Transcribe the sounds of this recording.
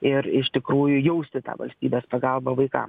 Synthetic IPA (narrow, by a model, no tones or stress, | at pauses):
ɪɾɪʃt̪ʲɪkɾuːjʊjɛʊsʲt̪ʲɪt̪ɑ̰ːʋɐ̰lʲsʲt̪ʲiːbʲeːspɐɡɐlˠbɐʋɐɪkɑ̰m